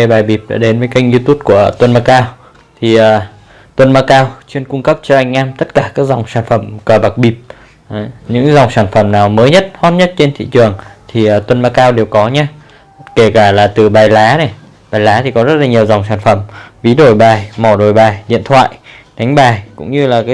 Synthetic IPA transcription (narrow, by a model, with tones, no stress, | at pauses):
e˧˩ɓaː˨˩jɓi˨˩p̚ɗa̰ː˧˥ɗe˨˦nvəː˨˦ka˧jŋ̚zi˧t̪u˦˥p̚ku˧˩ət̪wə˧nmaː˧kaː˧w | t̪ʰi˨˩ʔəː˨˩ | t̪wə˧nmaː˧kaː˧wt͡ɕwi˧ənkʊ˧ŋ͡mkə˦˥p̚t͡ɕɔ˧ʔa˨˩jŋ̟ʔaː˧mt̪ə˦˥t̚kaː˧˩kaː˦˥k̚za˨˩wŋ͡msaː˧˩nfə˧˩mkəː˨˩ɓa˨˩k̚ɓi˨˩p̚ | ɲɨ̰˧˥ŋza˨˩wŋ͡msaː˧˩nfə˧˩mnaː˨˩wməː˨˦jɲə˦˥t̚hɔ˦˥t̚ɲə˦˥t̚t͡ɕe˧nt̪ʰḭ˧˨t͡ɕɨ˨˩əŋt̪ʰi˨˩ʔəː˨˩t̪wə˧nmaː˧kaː˧wɗe˨˩wkɔ˨˦ɲaː˧ | ke˧˩kaː˧˩laː˨˩t̪ɨ˨˩ɓaː˨˩jlaː˨˦na˨˩j | ɓaː˨˩jlaː˨˦t̪ʰi˨˩kɔ˨˦zə˦˥t̚laː˨˩ɲi˨˩əwza˨˩wŋ͡msaː˧˩nfə˧˩mvi˨˦ɗo˨˩jɓaː˨˩jmɔ˧˩ɗo˨˩jɓaː˨˩jɗḭ˧˨ənt̪ʰwa̰ː˧˨j | ɗa˨˦ŋ̟ɓaː˨˩jkʊ̰˧˥ŋ͡mɲɨ˧laː˨˩kaː˨˦